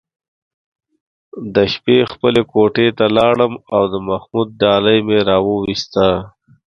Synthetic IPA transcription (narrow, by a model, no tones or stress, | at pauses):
d̪əʃpexpəlekoʈet̪alɑɽəmawd̪əmaxmud̪̚ːɑləjmeɾɑwəwist̪a